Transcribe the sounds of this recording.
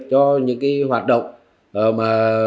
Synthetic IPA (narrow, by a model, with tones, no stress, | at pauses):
t͡ɕɔ˧ɲɨ̰˧˥ŋkaː˨˦ɦwaː˨˩t̚ɗə̰˧˨wŋ͡m | ʔəː˨˩maː˨˩